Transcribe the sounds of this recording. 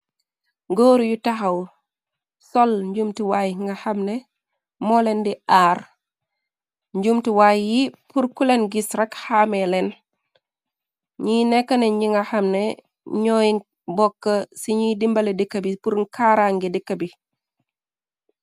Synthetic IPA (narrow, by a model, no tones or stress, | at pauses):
ɡoːɾjutaxɐw | solɲɟumtiwajŋɡahɐmne | mɔlendiaːɾ | ɲɟumtiwaːjjipuɾkulenɡisɾɐkhaːmelen | ɲinekːɐneɲɟiŋɡahamne | ɲɔːji | bɔkːɐsiɲidimbɐledikːɐbipuɾŋkʰaːɾaŋɡidikːɐbi